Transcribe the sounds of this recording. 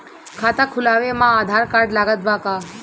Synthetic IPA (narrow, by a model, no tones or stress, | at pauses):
kʰat̪akʰʊlaʋemãad̪ʱaɾkaɾɖlaɡət̪̚baka